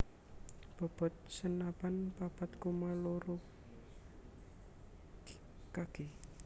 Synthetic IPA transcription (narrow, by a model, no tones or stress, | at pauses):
b̥ɔ̤b̥ɔ̤t̪̚sənapanpapat̪̚komaloɾo | kaɡ̥e